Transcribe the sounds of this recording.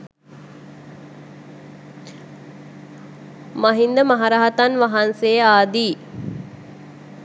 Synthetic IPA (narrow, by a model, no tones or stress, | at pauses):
maɦind̪əmaɦaɾaɦat̪anʋaɦansejaːd̪iː